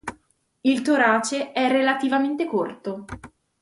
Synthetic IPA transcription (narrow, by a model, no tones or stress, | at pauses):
ilt̪oɾaːt͡ʃeɛrːelat̪ivament̪ekort̪o